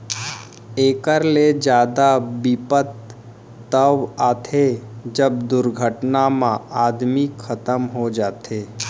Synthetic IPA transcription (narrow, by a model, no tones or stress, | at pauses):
eːkəɾled͡ʒjaːd̪abipət̪ː | əʋaːt̪ʰed͡ʒəbd̪ʊɾɡʱəʈnamãaːd̪mikʰət̪əmɦod͡ʒaːt̪ʰeː